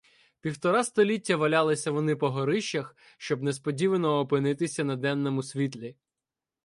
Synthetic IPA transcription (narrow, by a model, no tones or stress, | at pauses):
pʲiwt̪ɔɾɑst̪ɔlʲitʲːɐʋɐlʲɑlˠɪsʲɐʋɔnɪpɔɦɔɾɪʃt͡ʃɐx | ʃt͡ʃɔbnespɔdʲiʋɐnɔːpɪnɪt̪ɪsʲɐnɐd̪ɛnːɔmʊsʲʋʲit̪̬lʲi